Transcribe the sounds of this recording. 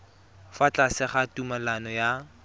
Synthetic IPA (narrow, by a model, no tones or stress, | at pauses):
fat͡ɬʼasɪχatumalanɔja